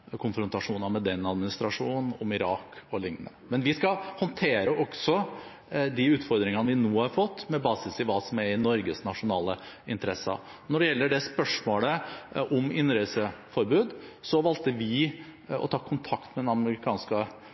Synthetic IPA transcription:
kʰʊnfɾʊnt̪ɑʂuːnɑmɛd̪ɛnːɑd̪mɪnɪst̪ɾɑʂuːnn̩ɔmɪɾɑːkɔlɪŋnə̰mɛnʋɪskɑhɔnt̪ʰeːɾəʔɔksɔ | d̪ɪʉːt̪fɔɾd̪ɾɪŋɑnəʋɪnuːhɑɾfɔt̪ːmɛbɑːsɪsɪʋɑːsɔmæɾɪnɔɾɡəsnɑʂʊnɑːlə | ɪnt̪əɾɛsɑ̰ɾ | nɔɖɛjɛlːəɖɛspœʂmoːləʔɔmɪnːɾɛsəfɔɾbʉːd̪sɔʋɑlt̪əʋɪɔ̰t̪ʰɑːkʰʊnt̪ʰɑkt̪mɛd̪ɛnɑməɾɪkʰɑːnskə

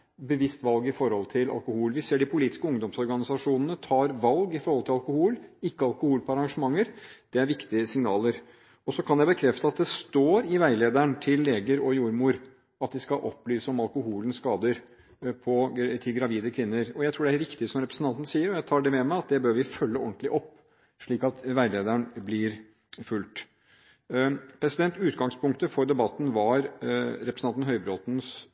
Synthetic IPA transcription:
bəʋɪst̪ʋɑlɡɪfɔɾhɔlt̪ʰɪlɑ̰lkʊhuːlʋɪseːɖɪpʰʊliːt̪ɪ̥skəʊŋd̪ɔmsɔɾɡɑnɪsɑʂuːnənət̪ʰɑːɾʋɑlɡɪfɔɾhɔlt̪ʰɪlɑlkʊhuːlɪkːəɑlkʊhuːlpʰɔɑɾɑŋʂəmɑŋːəɾd̪̥ɛæɾʋɪkt̪ɪəsɪŋnɑːləɾ | ɔsɔkʰɑnjæɪbəkʰɾɛft̪əɑt̪̚d̪ɛst̪oːɾɪʋæɪleːd̪æɳt̪ʰɪlːeːɡəɾɔjuːɾmuːɾ | ɑt̪̚d̪ɪskɑʔɔ̰pːlyːsəɔmɑlkʊhuːlənskɑːd̪əɾ | pʰɔt̪ʰɪlɡɾɑʋiːd̪əkʰʋɪnːəɾɔjæɪt̪ʰuːɖɛæɾɾɪkt̪ɪsɔmɾɛpɾəsn̩t̪ɑnt̪n̩siːəɾɔjæɪt̪ʰɑːɖɛmɛmæɪɑt̪̚d̪ɛbøːɾʋɪfœlːəɔnt̪lɪʔɔpː | ʂɭiːkɑt̪ʋæɪleːd̪æɳblɪɾ | fʉlt̪ | pʰɾɛsɪd̪ɛnt̪ʉːt̪ɡɑŋspʰʊŋkt̪əfɔɾd̪ɛbɑt̪ːn̩ʋɑɾɾɛpɾəsn̩ɑnn̩ɦœʏbɾoːt̪n̩s

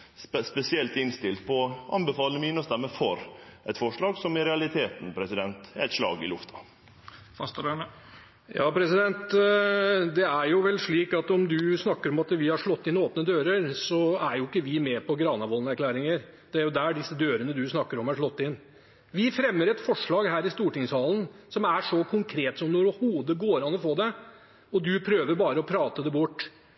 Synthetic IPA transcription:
spɛsɪɛlt̪ɪnst̪ɪlt̪̚pʰɔʔɑ̰nbəfɑːlnəmiːnəst̪ɛmːəfɔɾʔɛt̪fɔʂɭɑːɡsɔmɪɾɛɑlɪt̪ʰeːt̪npʰɾɛsɪd̪ɛnt̪æt̪ʂlɑ̰ːɡɪ̰lʉft̪ʰɑ̥ | fɑst̪dəɳə | jɑːpʰɾɛsɪd̪ɛnt̪ | d̪ɛæɾjʊʋɛlːʂɭiːkɑt̪ɔmd̪ʉsnɑkːəɾɔmɑt̪ʋɪhɑʂɭɔt̪ːɪnoːpnəd̪øːɾəɾsɔæɾjʊɪkːəʋɪmɛpʰɔɡɾɑːnɑʋɔlnəæɾklæːɾɪŋəɾ | d̪̥ɛæɾjʊd̪æɖɪsːəd̪øːɾənəd̪ʉsnɑkːəɾɔmæʂɭɔt̪ːɪn | ʋɪfɾɛmːəɾɛt̪fɔʂɭɑːɡhæːɾɪst̪uːʈɪŋshɑːlənsɔmæʂɔkʰʊŋkʰɾeːt̪sɔmnɔɾɪhuːd̪əɡoːɾɑnɔfoːd̪ɛ | ɔd̪ʉpʰɾøːʋəɾbɑːɾəɔpʰɾɑːt̪əd̪ɛbʊʈː

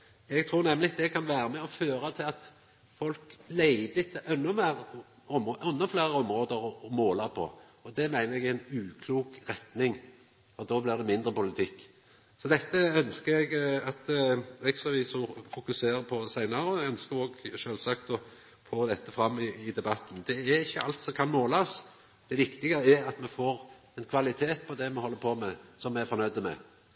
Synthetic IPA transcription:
ɛɡ̚t̪ʰɾuːʁnɛmːlɪd̪ɛkʰɑnʋæːɾəmɛɔføːɾət̪ʰɪlɑt̪ | fɔlklæɪd̪əɪt̪ʰːəʔɛnːʊmeːʁ | ɔmʔʉnːɔflæːʁəɔmɾoːd̪əɾɔɔmoːlɑʁpʰɔ̰ | ɔd̪ɛmæɪnəɾɛɡɪænʉːkʰluːkʁɛt̪nɪŋ | fɔɾd̪oːblɪʁd̪ɛmɪnd̪ɾəpʊlɪt̪ʰɪkː | sɔd̪ɛt̪ːəœnskəɛɡɑt̪ɛɡsɑʋiːsɔfʊkʉseːɾəpʰɔsæɪnɑɾəɔɛœnskəoːɡʃøːlsɑkt̪ɔ | foːd̪ɛt̪ːəfɾɑmːɪɪd̪ɛbɑt̪ːn̩d̪ɛæʁɪçːəʔɑlt̪sɔmkʰɑnmoːlɑs | d̪̥ɛʋɪkt̪ɪɡəəæɾɑt̪mɛfoːɾ | ɛnkʰʋɑlɪt̪ʰeːt̪̚pʰɔd̪ɛmɛhɔlːəpʰoːmɛsɔmːɛæfɔʁnœʏd̪əmɛ̰

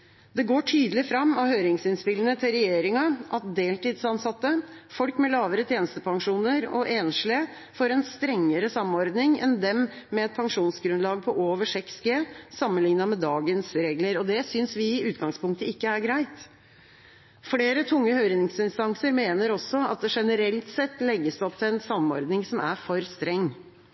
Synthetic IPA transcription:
d̪ɛɡoːʈʰyːd̪əlɪfɾɑmːɑhøːɾɪŋsɪnspɪlənət̪ʰɪlɾɛjeːɾɪŋɑʔɑt̪̚d̪eːlt̪iːd̪sɑnsɑt̪ːə | fɔlkmɛlɑːʋəɾət̪ʰjeːnəst̪əpʰɑŋʂuːnəɾɔ̰ʔeːnʂlɪə | foːɾɛnst̪ɾɛŋːəɾəsɑmːɔɾd̪nɪŋɛ̰nd̪ɛmmɛɛt̪̚pʰɑŋʂuːnsɡɾʉnlɑːɡ̚pʰɔʔoːʋəʂɛksɡeːsɑmːənlɪŋnɑmɛd̪ɑːɡənsɾeːɡləɾɔd̪ɛsʏnsʋɪɪʉːt̪ɡɑŋspʊŋk̚t̪əɪkːəæɾɡɾæɪt̪ | fɽeːɾət̪ʰʊŋːəhœʏɾɪnɪŋsɪnst̪ɑŋsəɾmeːnəɾɔsɔɑt̪̚d̪ɛʂɛnəɾɛlt̪sɛt̪ːlɛɡːəsd̪ɔpt̪ʰɪlɛnsɑmːɔ̰ɾd̪nɪŋsɔmæ̰fɔɾst̪ɾɛŋː

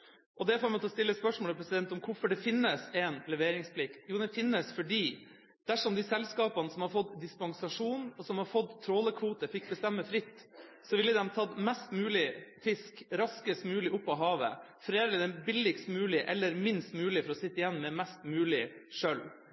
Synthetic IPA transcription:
ʔɔd̪ɛfoːɾmɛt̪ʰɔst̪ɪlːəspœʂmoːləpʰɾɛsɪd̪ɛnt̪ɔmkʰʊɾfɔɖɛfɪnːəsɛnlɛʋeːɾɪŋspʰlɪkt̪juːd̪ɛfɪnːəsfɔɖiː | d̪̥æʂɔmd̪ɪsɛlskɑːpɑnəsɔmhɑɾfɔt̪d̪ɪspɑŋsɑʂuːnɔsɔmhɑɾfɔt̪t̪ʰːɾoːləkʰʋuːt̪əfɪk̚ːbəst̪ɛmːəfɾɪt̪ː | sɔʋɪlːəd̪ɛmt̪ʰɑt̪mɛst̪mʉːlɪfɪskɾɑskəst̪mʉːlɪʔʊpːɔɦɑːʋə̰ | fɔɾeːd̪əəd̪ɛbɪlːɪkst̪mʉːlɪʔɛlːəɾmɪnst̪mʉːlɪfɔɾɔsɪt̪ːəɪjɛnːmɛmɛst̪mʉːlɪʂœl

